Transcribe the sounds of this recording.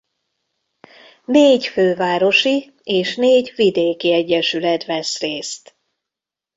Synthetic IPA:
neːɟføːvaːɾo̞ʃi | eːʃneːɟvid̪eːkiɛɟːɛʃylɛt̪vɛsreːst̪

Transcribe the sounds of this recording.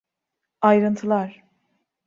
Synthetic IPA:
ajɾɯnt̪ʰɯlˠaɾ̥

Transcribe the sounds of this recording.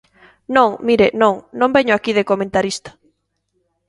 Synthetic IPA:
nõŋmiɾenõŋnõmbɛɲoakiðekomẽnt̪aɾist̪ɐ̥

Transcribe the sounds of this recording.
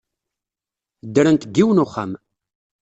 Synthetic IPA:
d̪ːəɾənt̪ɡːiwənʊχːa̰m

